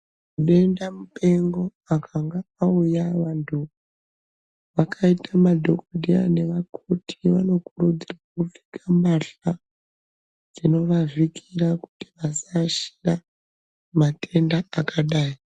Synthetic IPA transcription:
kuɗe̞ndamupe̞ŋɡo̞ | akʰaŋɡaaujaʋantʰu | ʋakʰaitʰamadʱokodʱia̰ne̞ʋakʰotʰiʋano̞kurud͡zirwakufi̥kʰamaɬa | d͡zino̞ʋavikʰiraku̥ti̥ʋasaʃi̥ra | mate̞ndaːkʰaɗaːi

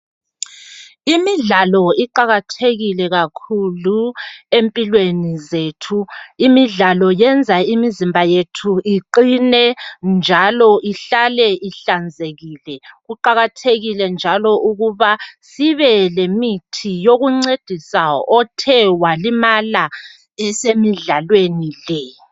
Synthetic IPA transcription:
imiɮalɔiǃaɣatʰeɣilɛɣakʰuluempʼilwenizeːtʰuimiɮalɔjɛnd͡zʱaimizimbʱajetʰuʔiǃinɛnd͡ʒʱalɔʔiɬalɛiɬand͡zʱeɣiːlɛɣuǃaɣatʰeɣilɛnd͡ʒʱalɔʔuɣuβasiβɛlemitʰijoɣuŋ͡ǀed̥ʱisaɔtʰɛwalimala | ɛsemiɮalwenilɛ

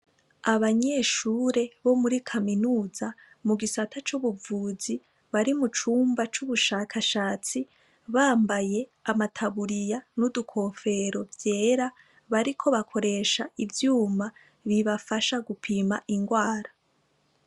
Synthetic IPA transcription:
aβaɲe̞ʃuːɾe̞βo̞muɾikʰaminuːza | muɡisatʰat͡ʃuβuvuːzi | βaɾimut͡ʃuːmbat͡ʃuβuʃakʰaʃaːt͡si | βaːmbaje̞amatʰaβuɾijanudukʰo̞fe̞ɾo̞vje̞ːɾa | βaɾikʰo̞βakʰo̞ɾe̞ːʃaivjuːma | βiβafaʃaɡupʰiːmaʔiŋɡwaːɾa

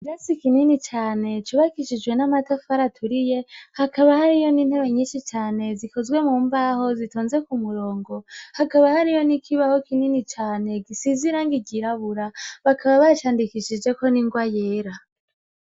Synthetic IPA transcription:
ɾasikininit͡ʃaːne̞t͡ʃuβakiʃid͡ʒɡwe̞namatafaɾatʰuɾije̞hakaβahaɾijo̞niːn̥he̞βeɲiːnʃit͡ʃaːne̞ziko̞zwe̞muːmbaho̞zitoːnze̞kumuɾo̞ːŋɡo̞hakaβahaɾijo̞nikʰiβaho̞kininit͡ʃaːne̞ɡisiziɾaːŋɡiɟiɾaβuɾaβakʰaβaβat͡ʃaːndikiʃid͡ʒe̞ko̞niŋɡwaje̞ːɾa

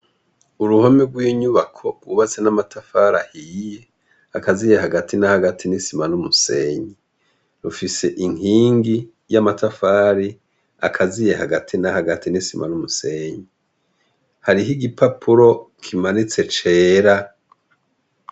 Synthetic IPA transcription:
uɾuhomeɡwiɲuβakʰo̞ɡuβat͡se̞namatʰafaɾahiːje̞ | akazije̞haɡatʰinahaɡatʰinisimanumuse̞ːɲi | ɾufise̞ʔiŋiːŋɡi | jamatafaːɾi | a̰kʰazije̞haɡatʰinahaɡatinisimʔa̰numuse̞ːɲi | haɾiɦiɡipʰapʰuɾo̞kʰimanit͡se̞t͡ʃeːɾa

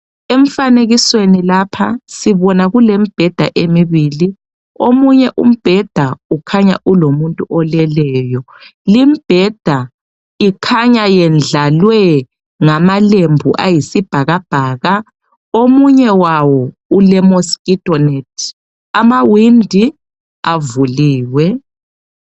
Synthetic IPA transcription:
eɱ̩faneɣiswenilapʰasiβɔnaɣulem̩b̥ʱɛd̥ʱa̰ʔemiβiːli | omuɲɛʔṵm̩b̥ʱɛd̥ʱaukʰaɲa̰ʔulomuntʼuʔɔlɛlɛːjɔ | limib̥ʱɛd̥ʱa | ikʰaɲajɛnd͡ɮalwɛ | ŋamalembʱṵʔa̰jisib̥ʱaɣab̥ʱaːɣa | omuɲɛwawɔ | ulɛmoskʼitʼɔnetʰ | amawindʱi | avuliːwɛ

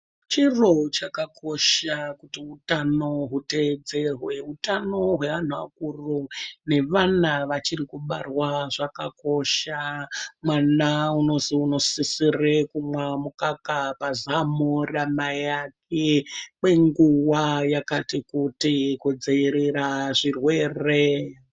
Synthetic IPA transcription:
t͡ʃirot͡ʃakakʰo̞ʃakutiutano̞ɦute̞d͡ze̞rwe̞utano̞ɦwe̞ʋan̤uʋa̰kurone̞ʋanaʋat͡ʃirikuɓa̰rwaʐakako̞ʃamwanauno̞ziuno̞sisirekumwamukakapazamoramajak̚ʰemwe̞ŋɡuwajakatikutikod͡zeiɾiraʐirwe̞ːre

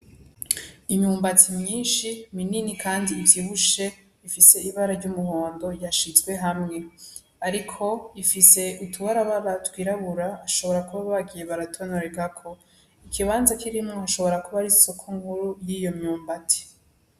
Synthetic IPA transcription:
imɲuːmbatimɲiːnʃimininikʰaːndiːvjiːβuʃe̞ | ifise̞iβaɾaɾɟumuβoːndo̞jaʃizɡwe̞ɦamŋe̞ | aɾikʰo̞ifise̞utʰuβaɾaβaβatwiːɾaβuɾaːʃo̞βo̞ɾakuβaβaɡije̞βaɾatʰonoɾeɡakʰo̞ | ikʰiβaːnzakiɾimŋohaʃo̞βo̞ɾakuβaɾiso̞kʰoŋɡuɾujijo̞mɲuːmbati̥

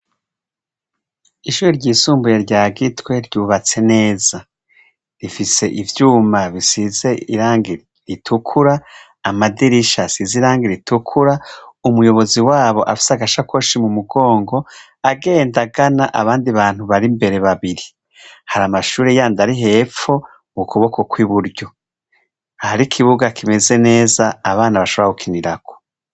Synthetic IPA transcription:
iʃuːɾiɾɟiːsuːmbuje̞ɾɟaːɡitwe̞ɾɟuːβat͡se̞ne̞ːza | ɾifise̞ʔivjuːmaβisize̞iɾaːŋɡi | ɾitʰukʰuɾaː | madiɾiʃasiziɾaːŋɡeɾitʰukʰuɾaumujo̞βo̞ziwaːβo̞ʔa̰fi̥saɡaʃakwoʃimumuɡo̞ːŋɡo̞ | aɡe̞ːndaɡanaʔaβaːndiβaːn̥huβaɾimbe̞ɾe̞βaβiɾi | haɾamaʃuːɾejaːndaɾiɦe̞ːfo̞ | mukuβo̞ko̞kwiβuɾɟo̞ | ahaɾikʰiβuɡakʰime̞ze̞ne̞ːzaːβaːnaβaʃo̞βɾakukʰiniɾako̥

